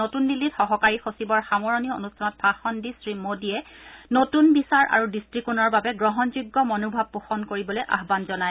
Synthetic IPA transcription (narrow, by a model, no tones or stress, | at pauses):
otunbilitxɔɦɔkaɹixosibɔɹxamɔɹɔniɔo̰nustʰanɔt̚b̥ʰʱaxɔndisɹimodiɛnotunbisaɹʔa̰ɹudistɹikunɔɹbabɛɡɹɔɦɔnzuɡːɔmɔnubʱab̚ːuxɔnkoɹibɔlojʔa̰ɦbanzɔnaj